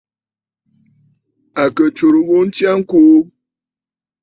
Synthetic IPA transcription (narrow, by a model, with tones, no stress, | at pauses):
a˨kə˨t͡ʃo˨ɾu˨bo˦n̩˦tja˦ŋ̩˦ko˦